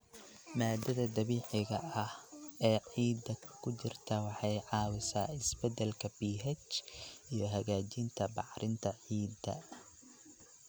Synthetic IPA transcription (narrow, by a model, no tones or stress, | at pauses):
maːd̪ɐðɐd̪ɐβiːʕɪɣɐɐhɛːʕiːd̪ɐkʰʊt͡ʃɪrt̪ʰɐwɑħɑjʕɑːwɪsaːɪsbɛd̪ɛlkʰɐbiːɦɛt͡ʃʔijɞɦɐɣaːt͡ʃɪnt̪ʰɐbɑħɾʔɪnt̪ʰɐʕiːd̪ɐ̰